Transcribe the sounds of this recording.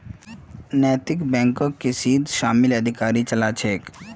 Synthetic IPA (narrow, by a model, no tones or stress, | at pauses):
nɛːt̪ɪkbɛ̃ːŋkokːesiːd̪ʱʃaːmɪlɐd̪ʱɪkaːɾit͡ʃɐlat͡ʃʰeːk